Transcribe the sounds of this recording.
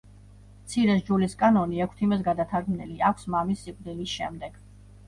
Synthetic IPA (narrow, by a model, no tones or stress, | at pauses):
mt̪sʰiɾɛsd͡ʒuliskʼanɔniɛkʷʰt̪ʰimɛsɡad̪at̪ʰaɾɡmnɛliakʷʰsmamisːikʼd̪ilisʃɛmd̪ɛɡ̥